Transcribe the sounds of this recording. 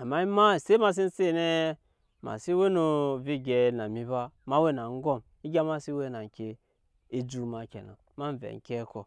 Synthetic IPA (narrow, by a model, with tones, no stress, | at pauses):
a˨ma˦i˦ma˦˨se˦ma˨s̬i˦n̩˦se˦˨ne˦ | ma̰˨si˦we˦no˨vi˦ɡʲe˨na˨mi˦ba˦ma˦we˦na˨ŋ˦ɡo˦˨m | i˦ɡʲa˦ma˦si˦we˦na˨ŋ˨kʲe˦˨ | i˦d͡ʒu˨ma˨kʲḛ˨na̰˨ | ma˦n˦vḛ˨ŋ˨kʲe˦ko˨